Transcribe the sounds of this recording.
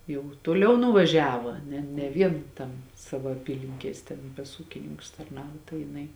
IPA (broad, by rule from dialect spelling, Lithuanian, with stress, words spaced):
jɛʊ toːˈlʲɛʊ nʊʋɐˈʒʲæːʋɐ ˈnʲɛ nʲɛ ˈʋʲiɛn ˈtɐm ˈsɑːʋoː ɐˈpʲiːlʲɪŋʲkʲiɛs tʲɛn pɐs ˈuːkʲɪnʲɪŋkʊs tɐrˈnɑːʋoː tɐɪ jɪˈnɐɪ